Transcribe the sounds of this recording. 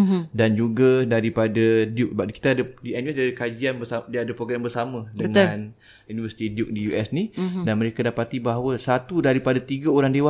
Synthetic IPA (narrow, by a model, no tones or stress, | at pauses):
dand͡ʒuɡadaɾipadadjuk̚əbaki̥t̪aadədianuɛdiadəkad͡ʒianbəsadiadapɾoɡɾambərsamə̃dəəŋãn | junivəsi̥t̪idijuk̚dijuʔɛsnidanməɾekadapat̪ibaɦawəsat̪udaɾipadat̪iɡaoɾaŋdewa